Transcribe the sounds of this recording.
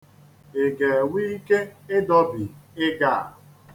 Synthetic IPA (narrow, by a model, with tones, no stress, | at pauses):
e˨ɡe˨wi˦i˦ke˦ɪ˦dɔ˦bi˨ɪ˦ɡa˦˨